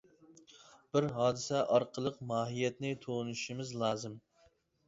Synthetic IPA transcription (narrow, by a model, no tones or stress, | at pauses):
b̥ɪɾɦɑːd̪ɨsɛʔɑɾqʰəlˠəqmɑːɦijɛt̪nɪt̪ʰonuʃimɪzlˠɑːzɨm